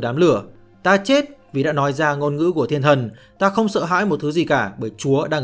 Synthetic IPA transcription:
ɗaː˨˦mlɨ˧˩ə | t̪aː˧t͡ɕe˦˥t̚vi˨˩ɗa̰ː˧˥nɔ˨˦jzaː˧ŋo˧nŋɨ̰˧˥ku˧˩ət̪ʰi˧nt̪ʰə˨˩n | t̪aː˧xə˧wŋ͡msə̰ː˧˨ɦa̰ː˧˥jmo˨˩t̚t̪ʰɨ˨˦zi˨˩kaː˧˩ɓəː˧˩jt͡ɕu˨˦əɗa̰ː˧ŋ

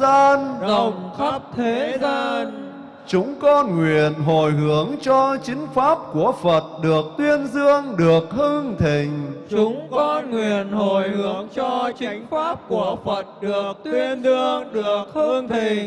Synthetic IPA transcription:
zaː˧nzə˨˩wŋ͡mxə˦˥p̚t̪ʰe˨˦zaː˧n | t͡ɕʊ˨˦˥ŋ͡mkɔ˧nŋwi˨˩ənɦo˨˩jɦɨ˧˩əŋt͡ɕɔ˧t͡ɕï˨˦ŋ̟faː˦˥p̚ku˧˩əfə˨˩t̚ɗɨ˨˩ək̚t̪wi˧ənzɨ˧əŋɗɨ˨˩ək̚hɨ˧ŋt̪ʰï˨˩ŋ̟t͡ɕʊ˨˦ŋ͡mkɔ˧nŋwi˨˩ənho˨˩jhɨ˨˦əŋt͡ɕɔ˧t͡ɕï˨˦ŋ̟faː˦˥p̚ku˧˩əfə˨˩t̚ɗɨ˨˩əək̚t̪wwi˧əzɨ˧əŋɗɨ˨˩ək̚hɨ˧t̪ʰi˨˩ŋ

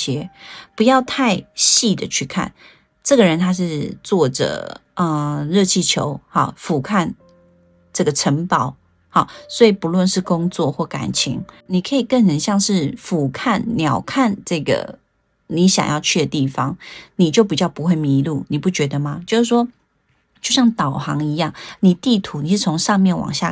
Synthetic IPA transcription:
jɛ˧˥pu˨˧˥jɑ˥˧ʊt̪ʰa˥˧ɪɕi˥˩d̪ə˩t͡ɕʰy˥˧kʰa̰˥˩n | ʈ͡ʂɤ˥˩ɡə˨˩ɻə˧˦nt̪ʰa˥ʂɻ̩˥˧t͡swɔ˥˩ʈ͡ʂə̰˩ə˧ɻɤ˥˧t͡ɕʰi˥˩t͡ɕʰjo˧˦ʊhɑ˨˩fu˨˩kʰa˥˧n | ʈ͡ʂɤ˥˩ɡə˩ʈ͡ʂʰə˧˥ŋpɑ˨˩˦ʊ | hɑ˨˩swɔ˧˥i˨˩pu˧˥lwə˥˧nʂɻ̩˥˨kʊ˥ŋt͡swɔ˥˧xwɔ˥˩ka̰˨˩nt͡ɕʰḭ˧˥ŋni˨˩kʰɤ˧˥i˨˩kə˥˩nnə˨˦nɕjɑ˥˧ŋʂɻ̩˥˩fu˨˩kʰa˥˩nnjɑ˨˩ʊkʰa˥˧nʈ͡ʂɤ˥˩ɡə̰˩ | ni˧˥ɕjɑ̰˨˩ŋjɑ˥˧ʊt͡ɕʰy˥˧d̪ə˩t̪i˥˩fɑ˦ŋni˨˩t͡ɕjo˥˩ʊpi˨˩t͡ɕjɑ˥˩ʊpu˦xwe˥˩ɪmi˧˥lu˥˩ni˨˩pu˥˩t͡ɕɥɛ˧˥d̪ə˧ma˨t͡ɕjo˥˧ʊʂɻ̩˥˩ʂwɔ˥ | t͡ɕjo˥˧ʊɕjɑ˥˩ŋt̪ɑ˨˩ʊxɑ˧˥ŋi˧˥jɑ˥˩ŋni˨˩t̪i˥˩t̪ʰu˧˥˦ni˨˩ʂɻ̩˥˩t͡sʰo˧˥ŋʂɑ˥˧ŋmjɛ˥˩nwɑ̰˨˩ŋɕja̰˥˩

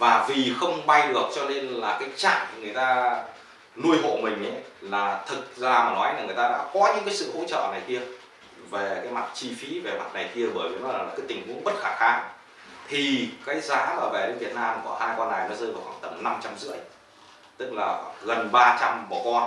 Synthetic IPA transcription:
vaː˨˩vi˨˩xə˧wŋ͡mɓa˧jɗɨ˨˩ək̚t͡ɕɔ˧ne˧nlaː˨˩kaː˨˦jt͡ɕa̰ː˧˨ŋŋɨ˨˩ə˩jt̪aː˧ | nu˧əjɦo̰˧˨mï˨˩ŋ̟ʔə˨˦jlaː˨˩t̪ʰɨ˨˩t̚zaː˧˩maː˨˩nɔ˨˦ja˨˩ŋɨ˨˩əjt̪aː˧ɗa̰ː˧˥kɔ˨˦ɲɨ̰˧˥ŋkaː˨˦sɨ̰˧˨ho̰˧˥t͡ɕə̰ː˧˨na˨˩jki˧ə | ve˨˩kaː˨˦jma˨˩t̚t͡ɕi˧fi˨˦ve˨˩ma˨˩t̚na˨˩jki˧əɓəː˨˩jvi˨˩˨nɔː˧˦˨aː˨˩kaː˨˦t̪ï˨˩ŋ̟mṵ˧˥nɓə˦˥t̚xaː˧˩xaː˧ŋ | t̪ʰi˨˩kaː˨˦jzaː˨˦ləː˨˩vɛ˨˩ɗe˧nvi˨˩ət̚naː˧mkɔ˧˩haː˧jkɔ˧nːʔaː˨˩jnɔ˨˦zəː˧vaː˨˩wxwaː˧˩ŋt̪ə˧˩mna˧mt͡ɕa˧mzɨ̰˧˥əj | t̪ɨ˦˥k̚laː˨˩ɣə˨˩nɓaː˧t͡ɕa˧mɓɔ˨˩kɔ˧n

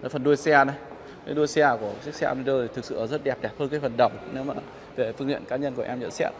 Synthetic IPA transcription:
əː˨˦fə˨˩nɗu˧ə˧jsɛ˧nə˨˧˦j | kaː˨˦jɗu˧əjsɛ˧ku˧˩əsi˦˥k̚sɛ̰ː˧mi˧ɗəː˧t̪ʰi˨˩t̪ɨ˨˩k̚sɨ̰˧˨ʔəː˧˩zə˦˥t̚ɗɛ˨˩p̚ɗɛ˨˩p̚həː˧nkaː˨˦jfə˨˩nɗə˨˧˩wŋ͡mne˨˦wmaː˨˩ | ve˨˩fɨ˧ə˧ŋt̪ḭ˧˨ənkaː˨˦ɲə˧nku˧˩ʔɛ˧mzə̰˧˥nsɛ˦˥t̚

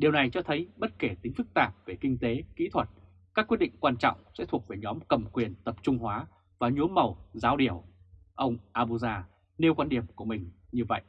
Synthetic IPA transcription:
ɗi˨˩əwna˨˩jt͡ɕɔ˧t̪ʰə˨˦jɓə˦˥t̚ke˧˩t̪ï˨˦ŋ̟fɨ˦˥k̚t̪aː˨˩p̚ve˨˩kï˧ŋ̟t̪e˨˦kḭ˧˥t̪ʰwə˨˩t̚ | kaː˦˥k̚wi˦˥t̚ɗḭ˧˨ŋ̟kwaː˧nt͡ɕɔ̰˧˨wŋ͡msɛ̰˧˥t̪ʰu˨˩ək̚ve˨˩ɲɔ˨˦mkə˨˩mkwi˨˩ənt̪ə˨˩p̚t͡ɕʊ˧ŋ͡mhwaː˨˦ | vaː˨˩ɲu˨˦ənmə˨˩wzaː˨˦wɗi˧˩əw | ʔə˧wŋ͡mʔaː˧ɓu˧zaː˧ | ne˧wkwaː˧nɗi˨˩əmku˧˩əmï˨˩ŋ̟ɲɨ˧və̰˧˨jʔ

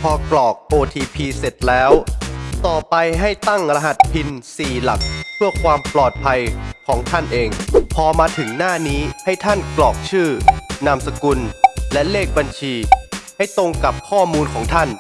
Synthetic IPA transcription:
pʰɔː˧klɔː˨˩k̚ʔoː˧t̪ʰiː˧pʰiː˧se˨˩t̪̚lɛː˦˥wt̪ɔː˨˩pa˧jɦa˥˩jt̪a˥˩ŋɾa˧ɦa˨˩t̪̚pʰi˧nsiː˨˩la˨˩k̚pʰɯ˥˩əkʰwaː˧mplɔː˨˩t̪̚pʰa˧jkʰɔː˩˦ŋt̪ʰa˥˩nʔeː˧ŋpʰɔː˧maː˧t̪ʰɯ˩˦ŋnaː˥˩niː˦˥ha˥˩jt̪ʰa˥˩nklɔː˨˩k̚t͡ɕʰɯː˥˩na˧msa˧ku˧nlɛ˦˥leː˥˩k̚ba˧nt͡ɕʰiː˧ha˥˩jt̪o˧ŋka˨˩p̚kʰɔː˥˩muː˧nkʰɔː˩˦ŋt̪ʰa˥˩n

